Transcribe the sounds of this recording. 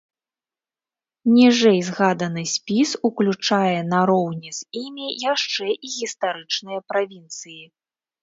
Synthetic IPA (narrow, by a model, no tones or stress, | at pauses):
nʲiʐɛjzɣad̪ɐnɨsʲpʲisuklʲut͡ʂajɛnɐɾɔwnʲiz̥ʲimʲijaʂt͡ʂɛʔiɣʲist̪aɾɨt͡ʂnɨjɐpɾavʲint̪sɨji